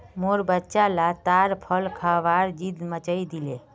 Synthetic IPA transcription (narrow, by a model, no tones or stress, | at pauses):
moɾbətːʃalat̪aɾpʰəlkʰəʋaɾd͡ʒid̪mət͡ʃəjd̪ile